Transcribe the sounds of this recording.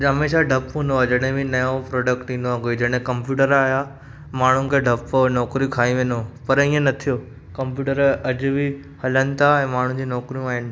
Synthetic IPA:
d͡ʑɦɐmeːʃaɖʱɐpũnd̪oad͡ʑɐɽ̃ɦẽbʱinɐjõpɾɔːɖəkʈĩːnd̪oaɡoid͡ʑɐɽ̃ɦẽkɐ̃mpjuːʈəɾaːja | maːɳ̤ũnkʰeːɖʱɐponɔːkɾĩkʰaːĩʋẽːnopɐɾĩːẽnɐt̪ʰijo | kɐ̃mpjuːʈəɾɐd͡ʑʊbʱi | hɐlənɪ̆t̪ʰaɛ̃ːmaːɳ̤ũd͡ʑiːnɔːkɾijũaːɦɪnɪ̆

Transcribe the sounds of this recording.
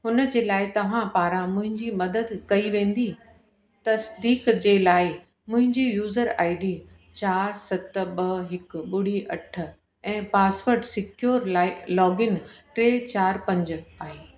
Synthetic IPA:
ɦʊnə̆d͡ʑeːlaːɪt̪ɐʋ̤ãpaːɾãmʊ̃ɦɪ̃ɲd͡ʑimɐd̪əd̪kɐiʋẽːnd̪i | t̪ɐsd̪iːkd͡ʑeːlaːɪ | mʊ̃ɦɪ̃ɲd͡ʑijuːzəɾa̰ːɪɖi | t͡ɕaːɾsɐt̪ɓɐɦɪk̆ɓʊɽ̤iʔɐʈ̆ʰ | ɛ̃ːpaːsʋəɾɖsɪkjoːɾɪlɔːɡɪnʈɾeːt͡ɕaːɾpɐ̃ɲd͡ʑʊ̆aːɦeː

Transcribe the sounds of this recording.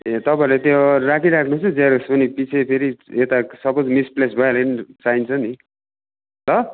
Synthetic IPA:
et̪ʌpãeɾlet̪jorakʰiɾakʰnuɦunt͡sʰʌd͡zeɾospʌnipit͡sʰepʰeɾiet̪asʌbod͡zmisplesbʱʌelanit͡saint͡sʰʌni | lʌ

